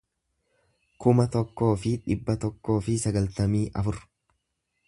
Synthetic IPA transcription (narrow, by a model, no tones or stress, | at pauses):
kʊmɐt̪ɔkːo̞ːfɪᶑɪbːɐt̪ɔkːo̞ːfɪsɐɡɐlt̪ɐmiːʔɐfʊɾ